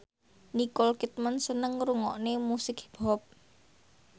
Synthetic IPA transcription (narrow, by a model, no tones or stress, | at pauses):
nikɔlkit̪̚mənsənəŋɾuŋɔʔnemusɪkb̥ɔp̚